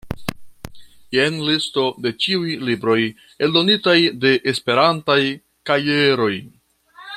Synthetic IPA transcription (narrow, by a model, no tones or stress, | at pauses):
jenlisto̞de̞t͡ʃiujlibɾo̞j | e̞ldo̞nitajde̞ʔːspe̞ɾantaj | kaje̞ɾo̞j